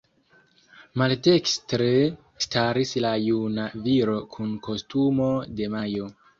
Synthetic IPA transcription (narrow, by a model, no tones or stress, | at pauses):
malde̞kstɾe̞ | staɾislajunaviɾo̞kʰunko̞stumo̞de̞majo̞